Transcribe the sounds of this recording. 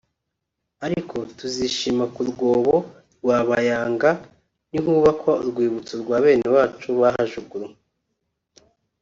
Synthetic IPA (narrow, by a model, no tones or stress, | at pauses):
aɾikʰo̞tuziʃimakuɾɡoːβo̞ | ɾɡwaːβajaːŋɡa | niɦuβakʰaṵɾɡwiːβut͡soɾɡwaːβe̞ːnewaːt͡ʃuβaɦaʒuɡuɾu